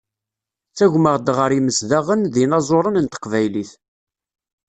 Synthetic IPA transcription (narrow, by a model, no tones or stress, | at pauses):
t͡sːæʝməʁd̪ʁəɾiməsðæʁənðinɑzˤoɾˤənənt̪ə̥qvæjliθ